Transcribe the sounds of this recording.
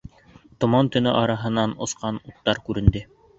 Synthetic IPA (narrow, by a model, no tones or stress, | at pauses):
t̪ŏmɑnt̪ɵ̆nɵʔɑɾɑɦɤ̆nɑnŏ̰sqɑnut̪ːɑɾkʉɾɘ̆nd̪ɘ